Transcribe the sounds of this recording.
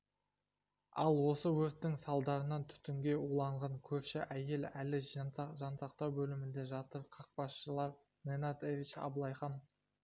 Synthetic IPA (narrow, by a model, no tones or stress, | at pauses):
ɑlˠwo̞səwɵɾt̪ːɪŋsɑlˠd̪ɑɾənɑt̪ʰʏ̥t̪ɪŋɡʲe̞ulˠɑɴʁɑŋkʲʰɵɾʃɪʔæje̞lælɪʒɑʒɑnsɑq̚t̪ɑwbɵlɪmɪnd̪e̞ʒɑt̪əɾqʰɑq̚bɑsʃəlˠɑɾ | nenɑt̪evʲit͡ʃɑ̰blˠɑjχɑn